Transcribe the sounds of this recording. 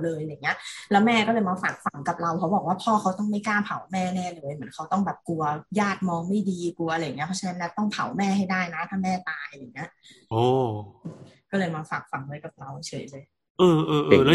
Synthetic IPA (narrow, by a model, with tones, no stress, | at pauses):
lɤː˧ja˧jŋːi˦˥ɐʔlɛː˦˥wmɛː˥˩kɔː˥˩lɤː˧jmaː˧faː˨˩k̚fa˨˦ŋka˨˩p̚ɾa˧wkʰa˦wbɔː˨˩kwaː˥˩pʰɔː˥˩kʰa˦˥wt̪ɔ˥˩ŋma˥˩jkaː˥˩pʰa˨˩˦wmɛː˥˩nɛː˥˩lɤː˧jmɯ˩˦ənkʰa˦˥wt̪ɔ˥˩ŋbɛː˨˩p̚ku˧ɐjaː˥˩t̪̚mɔː˧ŋma˥˩jdiː˧ku˧ɐa˧jːŋi˦˥ɐpʰɔ˦˥t͡ɕʰna˦˥nːa˦˥˩t̪ɔ˥˩ŋpʰa˨˩˦wmɛː˥˩ɦa˥˩jdaː˥˩jna˦˥t̪ʰaː˥˩mɛː˥˩t̪aː˧a˧˩˨ŋːi˦˥ɐʔʔoː˧˩ʔɯː˧kɔː˥˩lɤː˧jmaː˧faː˨˩k̚fa˨˩˦ŋlɤː˧jka˨˩p̚ɾa˧wt͡ɕʰɤː˨˩˦jlɤː˧j | ʔɤː˧ʔɤː˧ʔɤ˩˧l